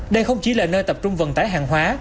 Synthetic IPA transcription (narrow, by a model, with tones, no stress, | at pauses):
ɗə˧jxə˧wŋ͡mt͡ɕi˨˦laː˨˩nəː˧jt̪ə˨˩p̚t͡ɕʊ˧ŋ͡mvə˨˩nt̪aː˨˦jɦaː˨˩ŋɦwaː˨˦